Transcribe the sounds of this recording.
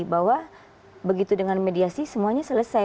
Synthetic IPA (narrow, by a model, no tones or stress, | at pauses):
baɦwa | bəɡit̪udəŋanmediasisəmuaɲasələsa